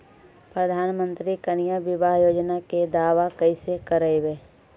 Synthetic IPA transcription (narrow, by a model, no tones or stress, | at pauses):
pɾɐd̪ʱaːnmə̃nt̪ɾikənɪjaʋɪbaːɦjoːd͡ʒnaked̪aːʋakɐisekəɾəeʋeː